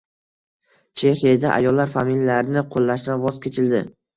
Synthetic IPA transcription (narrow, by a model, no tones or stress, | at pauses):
t͡ʃʰe̞hijad̪aʔa̰jɒlːaɾfamilːlaɾnɪqʰolːaʃd̪anvɒz̥kʲʰet͡ʃʰɪld̪ɪ